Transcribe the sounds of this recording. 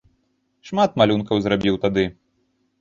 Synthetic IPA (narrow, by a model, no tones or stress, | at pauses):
ʂmat̪̚malʲunkɐwzɾabʲiwt̪ad̪ɨ